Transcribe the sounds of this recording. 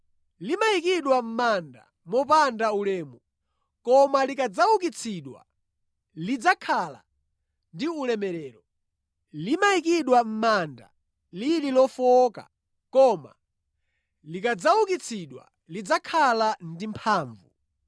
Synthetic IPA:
limaikiɗwam̩manda̰ | mɔpandaulɛːmɔ | kɔmalikad͡zawuk̬it͡sʰiɗwa̰ | lid͡zakʰala̰ | ndiulɛmɛɾɛːɾɔ | limaik̬iɗwam̩manda̰ | lililɔfɔka̰ | kɔma̰ | likad͡zawukit͡sʰiɗwa̰ | lid͡zakʰalandimpʰaːɱvṵ

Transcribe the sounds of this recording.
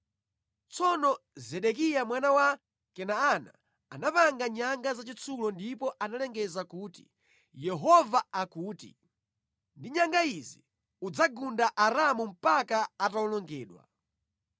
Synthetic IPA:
t͡sɔnɔzɛɗɛkijamwanawa | kɛnaːna̰ | anapaŋɡaɲaŋɡazat͡ʃit͡sʰulɔndipɔʔanalɛŋɡɛzakuːti̥̰ | jɛɦɔvaakuːtḭ | ndiɲaŋɡaizi | ud͡zaɡundaʔaɾamum̩pakaataulɔŋɡɛːɗwa̰

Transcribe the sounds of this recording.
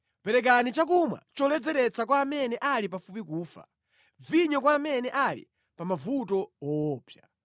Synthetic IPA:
pɛɾɛk̬anit͡ʃak̬umwa̰t͡ʃɔlɛd͡zɛɾɛt͡sak̬waːmɛnɛʔalipafupikuːfa̰ | viɲɔkwaːmɛnɛʔalḭ | pamavutɔɔːpja

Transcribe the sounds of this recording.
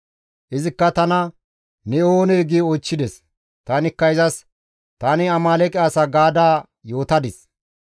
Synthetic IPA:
ʔɪzɪkːɐt̪ɐnɐ | nɛoːneɡiɔjt͡ʃːɪd̪ɛs | t̪ɐnɪkːɐɪzɐs | t̪ɐnɪɐmaːlɛkʼɪaːsɐɡaːd̪aː | jo̞ːt̪ɐd̪ɪs

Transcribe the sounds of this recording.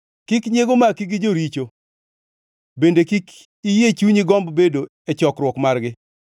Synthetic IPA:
kɪkɲeɡomakiɡɪd͡ʒoɾit͡ʃo | bendekik | ijet͡ʃuɲiɡɔmbbedo | ɛt͡ʃɔkɾwɔkmarɡɪ

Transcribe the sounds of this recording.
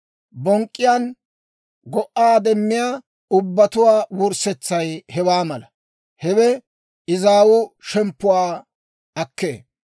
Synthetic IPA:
bɔŋkʼːɪjaːn | ɡɔʔːaːd̪ɛmːɪjaː | ʊbːɐt̪ʊwaːwʊɾsɛt͡sːɐjhɛwaːmɐlɐ | hɛwɛ | ɪzaːwʊʃɛmpːʊwaː | ɐkːḛː

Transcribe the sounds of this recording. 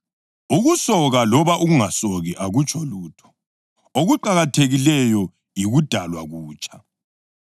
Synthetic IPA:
uɣusɔɣalɔβaʔuɣuŋasoɣiʔaɣut͡ʃʼɔluːtʰɔ̥ | oɣuǃaɣatʰeɣilɛjɔ | jiɣud̥ʱalwaɣuːt͡ʃʰʼḁ

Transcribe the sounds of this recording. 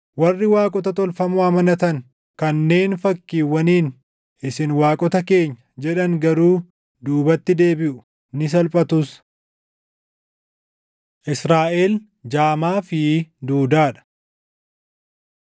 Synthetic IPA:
wɐrːɪwaːkʼɔt̪ɐt̪ɔlfɐmʊɐmɐnɐt̪ɐn | kɐnːe̞ːnfɐkːiːwːɐniːn | ʔɪsɪnwaːkʼɔt̪ɐke̞ːɲːɐd͡ʒɛᶑɐŋɡɐɾuː | d̪uːbɐt̪ːɪd̪e̞ːbɪʔʊ̥ | nɪs̬ɐlpʼɐt̪ʊs | ʔɪsɾaːʔeːl | d͡ʒaːmaːfɪd̪uːd̪aːᶑɐ̥

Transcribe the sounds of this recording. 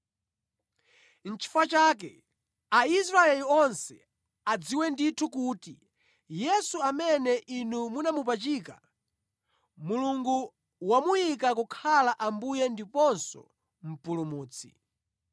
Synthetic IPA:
n̩t͡ʃʰi̥fat͡ʃaːk̬ɛ | ais̬ɾaɛliɔnsɛ | ad͡ziwɛnditʰukuːti | jɛsuamɛnɛʔinumunamup̬at͡ʃiːka | muluŋɡu | wamujikakukʰalaʔambujɛndipɔnsɔ̰ | m̩pulumuːt͡sʰḭ

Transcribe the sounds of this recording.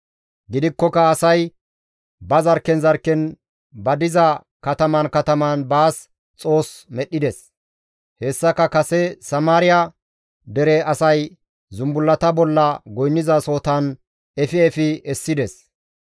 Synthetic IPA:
ɡɪd̪ɪkːɔkɐːsɐj | bɐzɐɾkːɛnzɐɾkːɛn | bɐd̪ɪzɐ | kɐt̪ɐmɐnkɐt̪ɐmɐnbaːs | t͡sʼo̞ːsmɛɗːɪd̪ɛs | hɛsːɐkɐkɐsɛsɐmaːɾɪja | d̪ɛɾɛɐsɐj | zʊmbʊlːɐt̪ɐbɔlːɐɡɔjnːɪzɐso̞ːt̪ɐn | ɛfɪɛfɪɛsːɪd̪ɛs

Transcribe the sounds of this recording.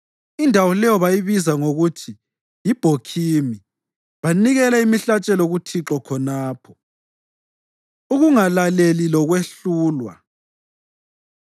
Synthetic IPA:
indʱawɔlɛjɔβajiβizaŋoɣutʰi | jib̥ʱokʰimi | βaniɣɛlaimiɬat͡ʃʼɛloɣutʰiǁɔkʰɔnaːpʰɔ̥ | uɣuŋalalelilɔɣweɬuːlwa̰

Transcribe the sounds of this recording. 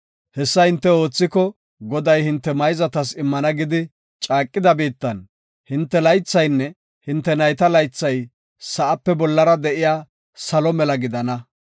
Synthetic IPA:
hɛsːɐhɪnt̪ːɛo̞ːt͡sːɪkɔ | ɡɔd̪ɐjhɪnt̪ːɛmɐjzɐt̪ɐsɪmːɐnɐɡɪd̪ɪ | t͡ʃʼaːkʼːɪd̪ɐbiːt̪ːɐn | hɪnt̪ːɛlɐjt͡sːɐjnːɛ | hɪnt̪ːɛnɐjt̪ɐlɐjt͡sːɐj | sɐʔɐpːɛbɔlːɐɾɐd̪ɛʔɪjaː | sɐlɔmɛlɐɡɪd̪ɐnɐ

